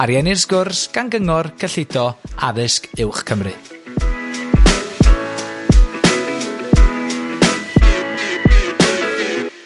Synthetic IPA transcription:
aɾjɛnɪrsɡ̥ʊrsɡ̥anɡəŋɔrkʰəɬɪdɔaðɪskɪwχkʰəmrɨð

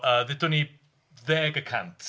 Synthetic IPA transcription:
əːðɛdʊni | ðɛːɡəkʰã̰nt

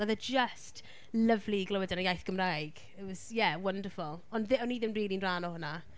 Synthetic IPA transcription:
aðəd͡ʒəst | ləvliɡlˠɔwɛdanajajθɡ̥əmrajɡ̥ | ɪtwɔz̥jɛwəndəfʊlˠɔnðɪɔniðɪmriːlinraːnɔhʊna

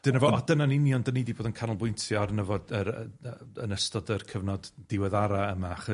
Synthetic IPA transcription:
d̥ɪnəvɔadənanɪnjɔndənidiboːdənkʰanɔlˠbʊjntʰjɔaɾnəvɔdəɾəəənəstɔdərkʰəvnɔdːɪwɛðaɾaəmaχə

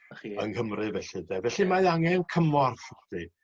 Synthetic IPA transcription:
ə̰nkʰəmrɨvɛɬɨdɛvɛɬɨmaðaŋɛnkʰəmɔrfd̥i

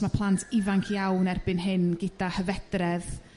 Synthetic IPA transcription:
mapʰlˠantʰɪvaŋkʰjawnɛrbɪnɦɪnɡɪdahəvɛd̥rɛð

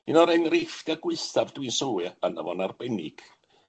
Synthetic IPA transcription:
ɨnɔɾɛnrɪfd̥aɡwɪɨθavdwinsəwɨana̰vɔnarbɛnɪ̰ɡ̥

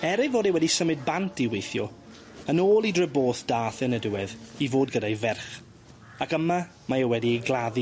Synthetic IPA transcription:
ɛɾɪvoːdewɛdisəmɨd̚bantʰiwejθjɔ | ənoːlˠidrəboːθd̥aːθɛnədwɛðivoːd̚ɡədajvɛrχ | akəma | maewɛdiejɡlˠaði

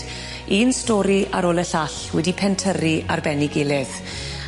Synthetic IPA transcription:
iːnstɔːɾiaɾoːlˠəɬaɬwɛdipʰɛntʰəɾiʔarbɛnɪɡɪlɪð

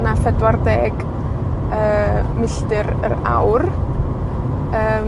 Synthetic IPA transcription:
nafɛdwardɛːɡ | əːmɪɬdɨɾə̰ɾa̰wr | əː

